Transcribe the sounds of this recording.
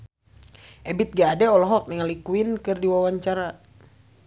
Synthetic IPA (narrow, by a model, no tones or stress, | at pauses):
ʔɛbit̪̚ɡaːdɛɔlɔɦɔk̚niŋalikuinkɨrdiwawaɲt͡ʃaɾa